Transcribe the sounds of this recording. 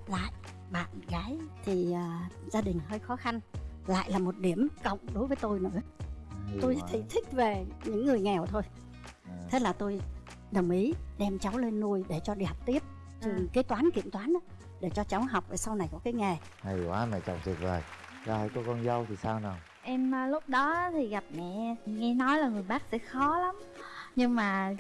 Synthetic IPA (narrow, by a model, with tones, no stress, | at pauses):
la̰ː˧˨j | ɓa̰ː˧˨nɣaː˨˦jt̪ʰi˨˩əː˨˩zaː˧ɗï˨˩ŋ̟həː˧jxɔ˨˦xa˧nla̰ː˧˨jlaː˨˩mo˨˩t̚ɗi˧˩əmkə̰˧˨wŋ͡mɗo˨˦jvəː˨˦jt̪o˧jnɨ̰˧˥ə | t̪o˧jt̪ʰi˨˩˦t̪ʰï˦˥k̟̚ve˨˩ɲɨ̰˧˥ŋːɨ˨˩əjŋɛ˨˩wt̪ʰo˧j̪ʰ | e˨˦˥laː˨˩t̪o˧j | ɗə˨˩ŋ͡mʔi˨˦ɗɛ˧mt͡ɕa˨˦wle˧nːu˧əjɗe˧˩t͡ɕɔ˧ɗi˧ha˨˩wk͡p̚t̪i˦˥əp̚ | t͡ɕɨ˧˩ka˨˦jt̪waː˨˦nkḭ˧˨əmt̪waː˨˦n˨˦ | ɗe˧˩t͡ɕɔ˧t͡ɕa˨˦wɦa˨˩wk͡p̚va˨˩sa˧wna˨˩jkɔ˨˦kaː˨˦jŋa˨˩ | ha˨˩jkwaː˨˦ma˨˩jt͡ɕwŋ͡mt̪ʰi˨˩k̚vəː˨˩j | zaː˧˩ha̰˧˦jkɔ˨˦kɔ˧nzə˧wt̪ʰi˨˩saː˧wna˨˩ | ʔɛ˧mː˧lʊ˦˥k͡p̚ɗɔ˨˦˨t̪ʰi˨˩ɣa˨˩p̚ŋɛ̰˧˩˨ŋɛ˧nɔ˨˦jlaː˨˩ŋɨ˨˩əjɓaː˦˥k̚sɛ̰˧˥xɔ˨˦la˨˦mɲɨ˧ŋmaː˨˩